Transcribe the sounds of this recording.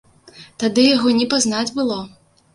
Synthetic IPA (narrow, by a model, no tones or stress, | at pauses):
t̪ad̪ɨjaɣɔnʲɛpaznad͡zʲbɨlˠɔ